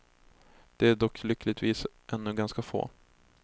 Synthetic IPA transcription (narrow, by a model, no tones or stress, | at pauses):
d̪̥ɛæɖɔkʰːlʏkʰːlɪt̪viːsʔɛnːɵɡanskafo̰ː